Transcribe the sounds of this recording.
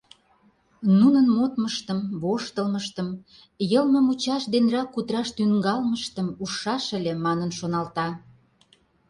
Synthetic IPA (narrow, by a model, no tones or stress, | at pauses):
nunənmot̪məʃt̪əmβoʃt̪əlməʃt̪əm | jəlməmut͡ɕɑʃd̪enrɑkːut̪ɾɑʃt̪yŋɡɑlməʃt̪əmuʃɑʃə̆lʲemɑnənʃonɑlt̪ɑ